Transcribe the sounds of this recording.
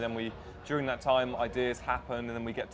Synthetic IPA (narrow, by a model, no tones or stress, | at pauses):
ðə̃nwi̥ | ɔːɹɪ̃ŋðətʰãɪ̃ma̰ɪdɪəz̥hapə̃nə̃nðə̃nwiɡɛtʰ